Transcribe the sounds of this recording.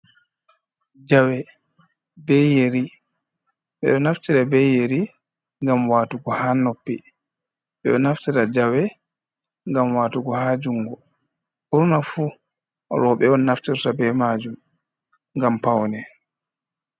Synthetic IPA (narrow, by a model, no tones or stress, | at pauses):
d͡ʒawɛ | bɛjeɾi | ɓɛ̰ɗɔnaftiɾabɛjeɾi | ŋɡamwaːtuɡɔhaːnopːi | ɓɛ̰ɗɔnaftiɾad͡ʒawɛ | ŋɡamwaːtuɡɔhaːd͡ʒuŋɡɔ | uɾnafu | ɾɔɓɛɔnːaftiɾtabɛmad͡ʒum | ŋɡampawnɛ